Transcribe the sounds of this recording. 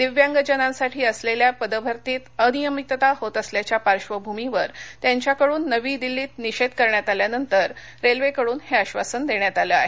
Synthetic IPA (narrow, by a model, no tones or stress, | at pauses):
d̪iʋjãŋɡəd͡ʑənãsaʈʰiːəsleljapəd̪əbʱəɾt̪iːt̪ənijəmit̪t̪aɦot̪əsljat͡ɕjapaɾɕʋəbʱumiʋəɾt̪jaɲt͡ɕjakəɽuːnːəʋiːd̪ilːiːt̪niɕed̪kəɾɳjat̪aljanənt̪əɾ | ɾelʋekəɽuːnheəɕʋasənd̪eɳjat̪aləaɦe